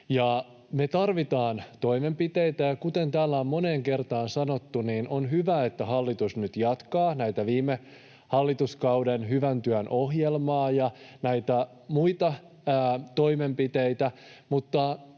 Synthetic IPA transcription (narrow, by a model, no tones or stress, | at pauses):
jɑ | met̪ɑrʋit̪ɑːnt̪o̞ime̞mpit̪eijt̪æjɑkut̪ent̪æːlːæommoneːŋke̞rt̪ɑːnsɑnot̪ːuniːnʔonɦyʋæet̪ːæɦɑlːit̪usnyt̪jɑt̪kɑːnæit̪æʋiːme | hɑlːit̪uskɑuwdenɦyʋænt̪yænʔohɦjelmɑːjɑnæit̪æ | muit̪ɑ | t̪o̞ime̞mpit̪eit̪æmut̪ːɑ